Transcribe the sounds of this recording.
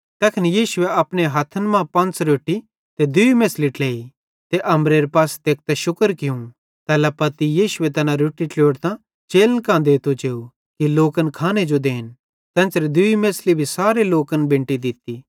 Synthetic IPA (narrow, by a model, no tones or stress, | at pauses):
t̪ɐːkʰɪnijiːʃʊeɐpɽ̃eɦɐt̪ʰənmãpɐ̃nt͡sɾoːʈːi | t̪ed̪ʊimeːsliʈleːi | t̪eʔɐmɾeːɾpaːst̪eːk̚t̪ɛʃʊkəɾkɪũ | t̪ɛːlapɐt̪ijiːʃʊet̪ɐnãɾoːʈːiʈloːɽt̪ã | t͡ʃeːlənkãːnd̪et̪ot͡ʃeːu | kiloːkənkʰaːned͡ʒod̪eːn | t̪ɐ̃ːnt͡ʃɾed̪ʊimeːslibʱisaːɾeloːkənbɪ̃ɳʈid̪ɪt̪i